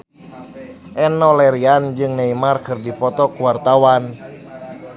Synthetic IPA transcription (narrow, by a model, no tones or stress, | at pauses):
ʔɛnɔlɛɾiand͡ʒɨŋnɛimarkɨrdipɔt̪ɔkuwart̪awan